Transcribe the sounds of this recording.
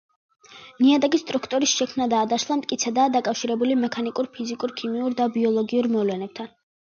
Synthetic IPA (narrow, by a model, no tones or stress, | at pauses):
niad̪aɡist̪ʼɾukʰt̪ʼɔɾisʃɛkʰmnad̪aːd̪aʃlˠamt̪ʼkʼit̪sʰɛd̪aːd̪akʼafʃiɾɛbulimɛkʰanikʼuɾpʰizikʼuɾkʰimiuɾd̪abiɔlˠɔɡiuɾmɔlɛnɛb̚t̪ʰan